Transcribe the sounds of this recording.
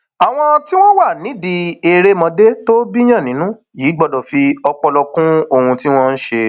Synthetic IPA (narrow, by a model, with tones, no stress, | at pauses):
a˨w̃ɔ̃˦˧ti˦w̃ɔ̃˦wa˦˨nĩ˨˦di˧e˧ɾe˦mɔ̃˧de˦to˦bi˦j̃ã˦˨nĩ˨˦nũ˦ | jiː˨˦ɡ͡bɔ˧dɔ˨fi˧ɔ˧k͡pɔ˧lɔ˧kũ˦o˧hũ˧ti˦w̃ɔ̃˦n̩˦ʃe˧